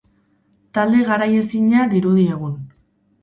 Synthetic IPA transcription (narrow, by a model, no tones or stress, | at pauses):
t̪ald̪e̞ɣaɾaje̞siɲaðiɾuð̞ie̞ɣ̞un